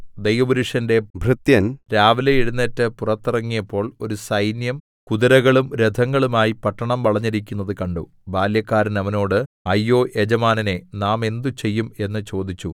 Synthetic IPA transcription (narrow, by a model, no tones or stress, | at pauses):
d̪ɐjʋɐbuɾuʂɐnde̞bʱrɨt̪jɐnɾaːʋɐleiɽunːetːɨpurɐt̪ːirɐŋːijɐpːo̞ːɭo̞ɾusɐjnjɐm | kuðiɾɐɣɐɭumɾed̪ʱɐŋːɐɭumaːjipɐʈːɐɳɐmʋɐɭɐɲːiɾikʲːunːɐðɨkɐɳɖṵ | baːljɐkːaːɾɐnɐʋɐno̞ːɽɨɐjːo̞ːʔed͡ʑɐmaːnɐne̞naːme̞nd̪ut͡ɕe̞jːume̞nːɨt͡ɕo̞ːd̪it͡ɕːu